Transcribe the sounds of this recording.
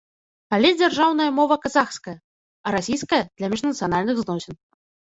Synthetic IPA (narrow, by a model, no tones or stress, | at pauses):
palʲɛd͡zʲarʐawn̪ɐjɐmɔvɐkazaxskɐjɐ | ɐɾasʲijskɐjɐd̪̥lʲɐmʲiʐnɐt̪sɨjan̪alʲnɨɣznɔsʲɛn